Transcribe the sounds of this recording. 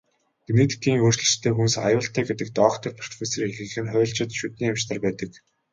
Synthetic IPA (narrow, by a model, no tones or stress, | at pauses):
ɡenet̪ʰi̥kiːŋoːrt͡ɕɮɵ̆t͡ɕt̪ʰːeːxunsajʊːɬt̪ʰæːɡet̪ɘ̆k̚t̪ɔːkt̪ʰɞ̆rpʰɔr̥t̪feːserexɘ̆xɘ̆nχʊːɬt͡ɕɪ̆t̪ʃut̪niːamt͡ɕt̪ărpæːt̪ə̆k